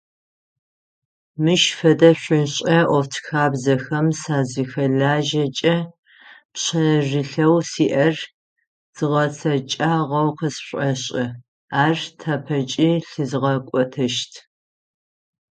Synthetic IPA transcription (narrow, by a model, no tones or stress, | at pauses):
mɨʃfɐdɐɕʷʊɕʼɐʔʷɔftʰxaːbzɐxɐmsaːzɨxɐɮaːʒɐt͡ʃʼɐ | pɕɐʐɨɬɐwsiːʔɐr | z̥ɨʁɐsʰɐt͡ʃʼaːʁɐwqɐsɕʷʼɐɕʼɪ | aːrtʰapʰɐt͡ʃʼiːɬɨzɨʁɐkʷʼɔtʰɐʃtʰ